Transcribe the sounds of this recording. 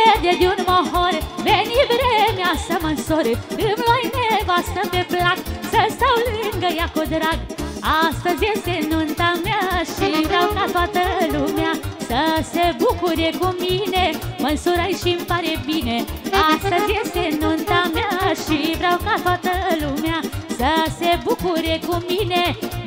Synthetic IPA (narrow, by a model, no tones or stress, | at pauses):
d̪ed̪unmɔɦɔɾʋenibɾemjasəmənsoɾd̪ɨmlajnebast̪əmbeplaksəsawlɨnɡəjakod̪ɾaɡast̪əd͡zesenunt̪amjaɕibɾawkat̪ʰʋat̪əlumjãsəsebukuɾekuminemənsuɾajɕimpaɾebineast̪əd͡zesenont̪amjaɕibɾawkat̪ʰʋat̪əlumjãsəsebukuɾekumine